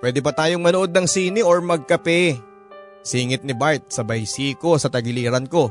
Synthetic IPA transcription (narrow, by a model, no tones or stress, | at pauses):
pwɛːd̪ɛbɐt̪aːjo̞ŋmɐnoʔo̞d̪̚nɐŋsiːnɪʔoɹmɐɡ̚kɐpɛ | siːŋɪt̪̚nɪbaɹt̪̚sɐbɐjsiːko̞sɐt̪ɐɡɪliːɾɐnko̞